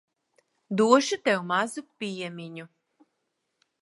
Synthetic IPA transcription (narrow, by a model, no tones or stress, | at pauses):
d̪uɔʃut̪ʲɛwmazupʲijɛmʲiɲu